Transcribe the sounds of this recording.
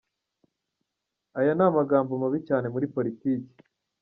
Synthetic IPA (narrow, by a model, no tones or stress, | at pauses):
ajanaːmaɡaːmbomaβicaːne̞muɾipo̞ɾitiːci̥